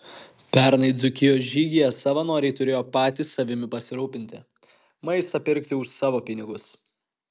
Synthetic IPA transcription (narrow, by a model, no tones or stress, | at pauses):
pʲɛˑɾnɐɪd̪zʊkʲɪjoːsʒʲiːɡʲijɛsɐʋɐnoːɾʲɛɪt̪ʊɾʲeːjoːpɑːt̪ʲiːsɐʋʲɪmʲɪpɐsʲɪɾuːpʲɪnʲt̪ʲɪ̰ | mɐɪst̪ɐpʲɪɾʲkt̪ʲɪʊʃsɑːʋoːpʲɪnʲɪɡʊs